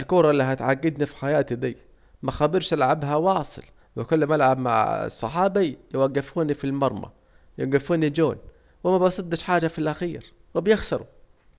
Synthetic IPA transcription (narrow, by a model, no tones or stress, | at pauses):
ɪlkuːɾˤɑɪlːiɦat̪ʕaɡːɪd̪nifi̥ħajaːt̪id̪ḭː | maxabɪɾʃalʕabɦawɑːsˤɨ̰l | wɪkʊlːamʔalʕabma̰ʕɪ̰sˤːɑ̰ħɑːbijwaɡːɪfuːnifilmɑɾˤma̰ | jaɡɪfuːnid͡ʒoːn | wɪmabɑsˤɨd̪ːɪʃħaːd͡ʒafilʔaxiːɾ | wɪbjɪxsɑɾˤu